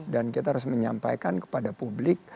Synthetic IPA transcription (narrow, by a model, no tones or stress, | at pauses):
dankit̪ahaɾʊs̬məɲa̰mpa̰jkankə̥padapublɪk̚